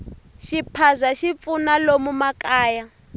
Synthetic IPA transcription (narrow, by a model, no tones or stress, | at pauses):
ʃipʰazaʃip̪funalomumakaːja